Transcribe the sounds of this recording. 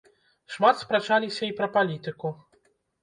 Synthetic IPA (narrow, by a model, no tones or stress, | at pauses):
ʂmat̪spɾat͡ʂalʲisʲɐipɾɐpalʲit̪ɨku